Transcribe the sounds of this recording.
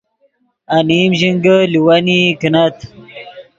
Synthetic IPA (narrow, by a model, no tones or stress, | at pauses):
animʑiŋɡəliwanikinɐt̪